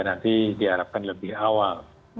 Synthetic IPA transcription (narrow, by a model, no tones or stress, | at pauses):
anat̪ʰiːdiaɾap̚kanlabiʔawa